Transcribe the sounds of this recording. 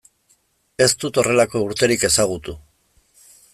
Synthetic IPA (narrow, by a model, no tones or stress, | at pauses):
e̞st̪ut̪o̞re̞lako̞uɾt̪e̞ɾike̞saɣ̞ut̪u